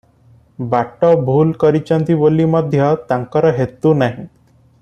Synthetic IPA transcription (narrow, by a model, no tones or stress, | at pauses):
baʈɔbʱuːlkɔɾit͡ɕant̪ibolimɔd̪ʱjɔt̪aŋkɔɾɔɦet̪unaɦĩ